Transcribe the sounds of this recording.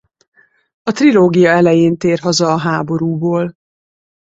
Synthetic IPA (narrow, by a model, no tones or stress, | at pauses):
ɒt̪riloːɡijɒɛlɛjeːnt̪eːrɦɒzɒːɦaːbo̞ɾuːboːl